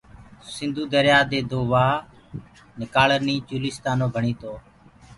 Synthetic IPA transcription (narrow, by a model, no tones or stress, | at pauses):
sɪnd̪ʱuːd̪əɾjaːd̪eːd̪oːʋaː | nɪkaːləɾniːt͡ʃuːlɪːst̪aːnoːbʱəɳiːt̪oː